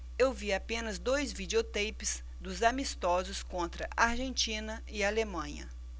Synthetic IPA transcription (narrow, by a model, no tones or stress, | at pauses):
ewviapẽnɐzd̪ojzvid͡ʒeot̪ejpɪz | d̪ʊzamist̪ɔzʊskõnt̪ɾɐʔaɾʒẽnt͡ʃĩnɐ | ɪalemɐ̃ɲɐ̰